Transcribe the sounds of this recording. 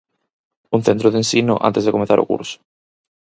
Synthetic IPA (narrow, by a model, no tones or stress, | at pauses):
un̟θent̪ɾoðẽnsinʊ̰ʔa̰nt̪ezðekomeθaɾʔo̰kṵɾsʊ̥